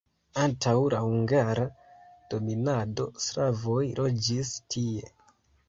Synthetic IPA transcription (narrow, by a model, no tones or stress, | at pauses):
antʰawlahuŋɡaɾad̥o̞minado̞sɾavo̞jlʔo̞d͡ʒistʰie̞